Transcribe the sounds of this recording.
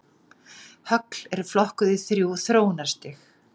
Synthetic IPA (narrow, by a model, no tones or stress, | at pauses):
hœkl̥ɛɾflɔhkʏðɪθɾjuːθɾoːwnḁst̪ɪx